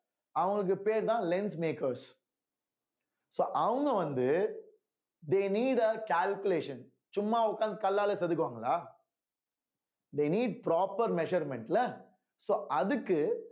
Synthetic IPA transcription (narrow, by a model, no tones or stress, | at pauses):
ɐʋɐ̃ɡɐɭɯk̬ːɯpeːɾt̪ãːlɛnsmeːkɐɾs | soːʔɐʋɐŋɡɐʋɐnd̪ɯ | d̪eːniːɖɐkaːlkʊleːʃɐ̃n | t͡ʃʊmːaːʊkːaːnd̪ɐkɐlːaːlɛsɛðɯk̬ːɯʋaːŋɡɐlaː | d̪eːniːɖ̚pɾaːpɐɾmɛʃɐɾmɛ̃ɳʈlɐ | soːʔɐðɯkːɯ